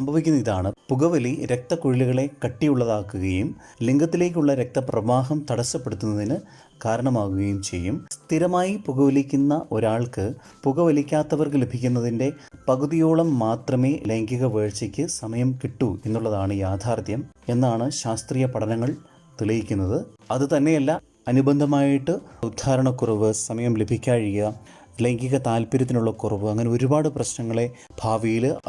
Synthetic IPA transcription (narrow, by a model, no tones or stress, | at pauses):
ssɐmbʱɐʋikʲːunːɐiðaːɳɨpuɣɐʋɐliɾe̞k̚t̪ɐkuɻiluɣɐɭe̞kɐʈːijuɭːɐðaːkːuɣɐjumliŋɡɐt̪ːile̞ːk̬ʲːuɭːɐɾe̞k̚t̪ɐprɐʋaːɦɐmt̪ɐɽɐsːɐpːe̞ɽut̪ːunːɐðinɨ | kaːɾɐɳɐmaːɣuɣɐjumt͡ɕe̞jːumst̪iɾɐmaːjipuɣɐʋɐlikʲːunːɐʔo̞ɾaːɭkɨ | puɣɐʋɐlikʲːaːt̪ːɐʋɐrkɨlebʱikʲːunːɐðinde̞pɐɣuðijo̞ːɭɐmːaːt̪rɐme̞ːle̞ŋɡiɣɐʋeːɻt͡ɕːɐkʲːɨsɐmɐjɐmkiʈːue̞nːuɭːɐðaːɳɨjaːd̪ʱʰaːrt̪jɐm | e̞nːaːɳɨɕaːst̪riːjɐpɐʈɐnɐŋːɐɭ | t̪iɭɐjikʲːunːɐðɨ | ɐðɨt̪ɐnːe̞jɐlːɐ | ɐnubɐnd̪ʱɐmaːjiʈːɨud̪ʱaːɾɐɳɐkurɐʋɨsɐmɐjɐmle̞bʱikʲːaːɻijɐ | leŋɡiɣɐt̪aːlpiɾɐt̪̬ːinuɭːɐkurɐʋɨɐŋːɐne̞o̞ɾubaːɽɨprɐɕnɐŋːɐɭe̞ | bʱaːʋijil